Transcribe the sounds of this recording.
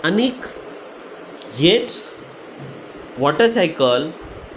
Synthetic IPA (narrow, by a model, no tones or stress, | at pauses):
ənik | het͡s | ʋɔʈəɾsajkəl